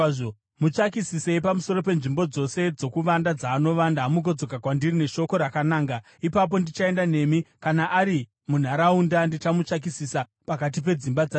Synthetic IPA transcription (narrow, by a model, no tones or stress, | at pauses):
mut͡ʂakisiseipamuso̞ɾo̞pe̞nʐimbo̞d͡zo̞se̞d͡zo̞kuʋandad͡zaːno̞ʋandamuɡo̞d͡zo̞kakwandirine̞ʃo̞ko̞ɾakanaːŋɡa | ipap̬o̞ndit͡ʃae̞ndane̞mikanaʔːɾi | mun̤aɾaundandit͡ʃamut͡ʃak̬isisa | pakat̬ip̬e̞d͡zimbad͡za